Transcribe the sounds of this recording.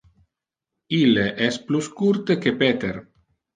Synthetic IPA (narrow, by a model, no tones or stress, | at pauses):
ilːeʔɛspluskuɾt̪ekepɛt̪eɾ